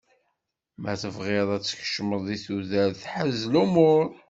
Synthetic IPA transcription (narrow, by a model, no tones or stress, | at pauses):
mæθəvʁeðˤæt͡sːə̥ç̥ʃməðˤiθuðæɾθħəzlumʊɾ